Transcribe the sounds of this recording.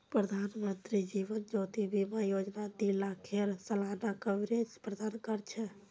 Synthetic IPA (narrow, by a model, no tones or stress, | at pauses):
pɾəd̪ʱanmənt̪ɾid͡ʒiʋənd͡ʒot̪ibʱimejod͡ʒnad̪ilakʰeɾsəlanakəbɾet͡ʃpɾəd̪ankəɾt͡ʃʰɛ